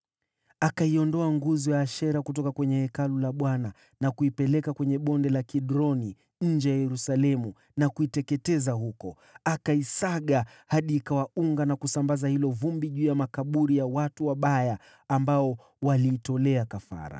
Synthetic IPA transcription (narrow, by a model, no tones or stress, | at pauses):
akaiɔndɔaŋɡuzɔjaːʃɛɾakutɔkakwɛɲɛhɛkalulaɓwana | nakuipɛlɛkakwɛɲɛɓɔndɛlakiɗɾɔni | ɲ̩d͡ʒɛjajɛɾusalɛmu | nakuitɛkɛtɛzahukɔ | akaisaɠa | haɗikawauŋɡanakusambazahilɔvumbiʄuːjamakaɓuɾijawatuwaɓajaː | mbaɔ | waliːtɔlɛakafa̰ɾa̰